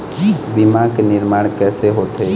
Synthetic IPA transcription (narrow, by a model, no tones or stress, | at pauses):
bimãkenɪɾmaːɽ̃kɛːseɦoːt̪e